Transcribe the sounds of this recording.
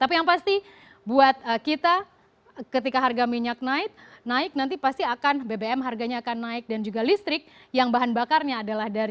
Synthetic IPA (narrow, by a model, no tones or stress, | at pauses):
t̪apijaŋpast̪i | buat̪̚əkit̪a | kət̪ikaɦarɡamiɲak̚naɪt̪̚naɪk̚nant̪ipast̪iakanbebeɛmɦarɡaɲaːkanːaɪk̚dand͡ʒuɡalist̪ɾɪk̚ | jaŋbaɦanbakarɲaːdalahdaɾ